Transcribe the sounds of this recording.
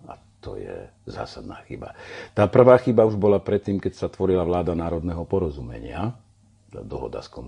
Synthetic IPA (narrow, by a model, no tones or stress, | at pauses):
a | t̪ɔ̰jɛ̰ | za̰ːsad̪naːxḭba̰t̪aːpr̩ʋaːxibauʒbɔlapɾɛt̪ːiːmkɛcsat̪ʋɔɾilaʋlaːd̪anaːɾɔd̪nɛɦɔpɔɾɔzumɛ̰ɲɪa | d̪ɔɦɔ̰d̪a̰skɔm